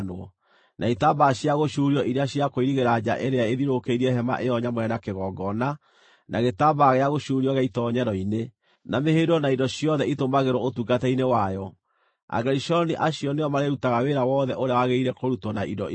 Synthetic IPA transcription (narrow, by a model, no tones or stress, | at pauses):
noɔ̰ | nʔaitabaɕjaɣoʃuːɾiɔʔiɾeaɕijakoiɾiɣeɾad͡ʑa̰ʔeɾeaeðiɾokeiɾɛhɛma̰ʔejɔɲamwɛnakeɣɔɡɔna | nʔaɣetabaɣeaɣoʃuɾiɔɣaitɔɲɛɾɔine | namehedɔnaindɔɕiɔðɛitomaɣeɾwɔotuɡatɛinewajɔ | a̰ɡɛɾiʃɔniʔaɕiɔneɔmaɾeɾutaɣaweɾawɔðɛʔoɾeawaɣeiɾɛkoɾutɔnaidɔ